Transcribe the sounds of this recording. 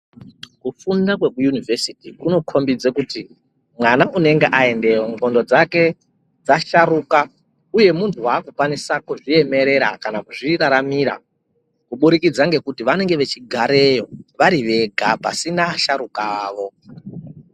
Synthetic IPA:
kufundak̬we̞kujunivesitikuno̞kʰo̞mbid͡zekuti | mwanaʔune̞ŋɡe̞ʔae̞nde̞woŋɡo̞ndo̞d͡zake̞ | d͡zaʃaɾuka | uje̞muntʰuwaːkukwanisakuʐie̞me̞ɾe̞ɾa̰kanakuʐiɾaɾamiɾa̰ | kuɓuɾikid͡zaŋɡe̞kutiʋane̞ŋɡe̞ʋe̞t͡ʃiɡʱaɾe̞jo̞ʋaɾiʋe̞ɡʱapa̰sinaʃaɾukaːʋo̞

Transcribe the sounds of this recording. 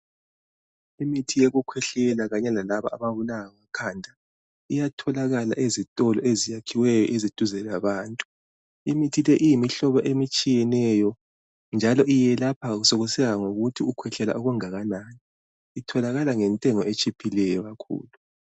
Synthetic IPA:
imitʰijeɣukʰwɛɬɛlaɣaɲɛlalaβa̰ʔaβaβulaawakʰandʱa | ijatʰɔlaɣala̰ʔezitʼɔlɔezijakʰiwɛjɔʔezid̥ʱuzɛlaβaːntʼu̥ | imitʰilɛʔijimiɬɔβɔʔemit͡ʃʼijɛnɛjɔ | nd͡ʒʱalɔʔijɛlapʰaɣusoɣusɛɣaŋoɣutʰiukʰwɛɬɛla̰ʔuɣuŋaɣananiː | tʰɔlaɣalaŋɛntʼɛŋɔet͡ʃʼipʰilɛjɔɣakʰṵːlu

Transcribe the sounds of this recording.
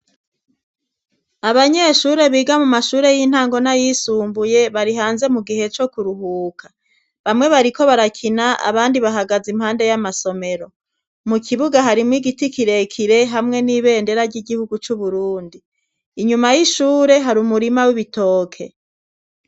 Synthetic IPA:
aβaɲe̞ʃuːɾe̞βiːɡamumaʃuːɾe̞jin̥haːŋɡo̞najisuːmbuje̞βaɾiɦaːnze̞muɡihe̞t͡ʃo̞kuɾuɦuːkʰḁ | βamŋe̞βaɾiko̞βaɾakʰinaʔa̰βaːndiβaɦaɡazim̥haːnde̞jamaso̞me̞ɾo̞ | mukʰiβuɡaɦaɾimŋiːɡitikiɾe̞kʰiɾe̞ɦamŋe̞niːβe̞ːnde̞ɾaɾɟiɡihuɡut͡ʃuβuɾuːndiː | ɲumajiʃuːɾe̞ɦaɾuːmuɾimawiβito̞ːkʰe̞

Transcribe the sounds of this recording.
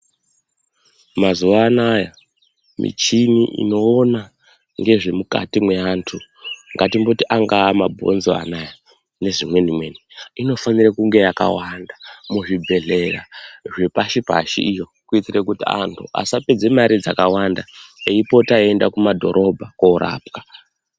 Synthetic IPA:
mazuʋaːnaja | mḭt͡ʃiniʔḭno̞ːna | ŋɡe̞ʐe̞muka̰timwe̞antʰu | ŋɡatimbotiʔaŋɡaːmabʱo̞̰nzoa̰naja | ne̞ʐimwe̞nimwe̞niino̞fanirekuŋɡe̞jaka̰wandamuʐibʱe̞ɮe̞raʐepaʃipa̰ʃḭijo̞ | kuitirekutia̰ntʰṵʔa̰saped͡ze̞maɾid͡zakawandaeipo̞taendakumadʱo̞̰ɾʔo̞bʱakoɾa̰ːp̚kḁ

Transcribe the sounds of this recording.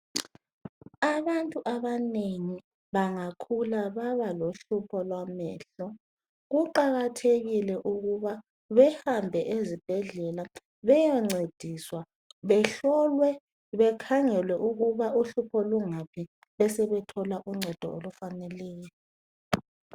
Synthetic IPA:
aβantʼuʔaβaneŋi | βaŋakʰulaβaβaloɬupʰɔlwamɛ̰ːɬɔ | ɣuǃaɣatʰeɣilɛʔuɣuβa | βɛhambʱɛʔezib̥ʱɛɮɛla | βɛjɔŋ͡ǀed̥ʱiswa | βɛɬɔlwɛ | βɛkʰaŋɛlwɛʔuɣuβauɬupʰɔluŋapʰi | βɛsɛβɛtʰɔlaʔuŋ͡ǀʱɛd̥ʱɔ̰olufanɛlɛːjɔ

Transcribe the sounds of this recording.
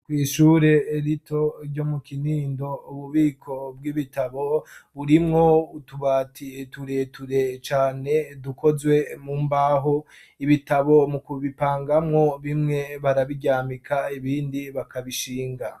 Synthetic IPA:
kwiːʃuɾe̞ːɾitʰo̞ɟo̞mukiniːndo̞uβuβiːkʰo̞b̚ɡiβitaβo̞βuɾimŋo̞utuβaːtʰituɾe̞tuɾe̞t͡ʃaːne̞duko̞zwe̞muːmbaɦo̞ | iβitaβo̞mukuβipaːŋɡamŋo̞βimŋe̞βaɾaβiɟaːmikʰaiβiːndiβakʰaβiʃiːŋɡa

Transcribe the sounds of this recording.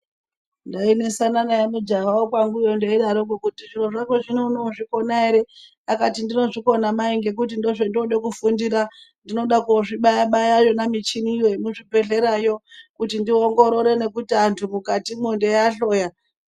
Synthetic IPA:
ndainesananajamud͡ʒaʋaokwaŋɡujondeiɗaɾokukutiʐiroʐakeʐinonoʐiko̞naeɾe̞ | akatindino̞ʐiko̞namaiŋɡe̞k̬utindoʐo̞ndioɗekufundiɾa | ndino̞ɗakoʐiɓajaɓajajo̞namit͡ʃinijoemuʐipe̞ɬe̞ɾajo̞kutindioŋɡo̞ɾo̞ɾe̞ne̞kutiantʰumukatimundejaɬo̞ːja

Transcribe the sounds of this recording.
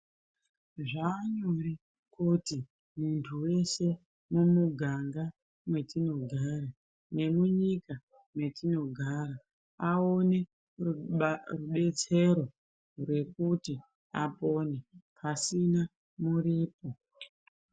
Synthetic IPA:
ʐaːɲori | kuti | muntʰuwe̞se̞ | mumuɡʱaŋɡa | mwe̞tino̞ɡʱaːɾa | ne̞muɲika | mwe̞tino̞ɡʱaːɾa | aone̞ | ruɓe̞t͡se̞ɾo̞ | rwe̞kuti | apo̞nepʰasina | muɾiːpo̞

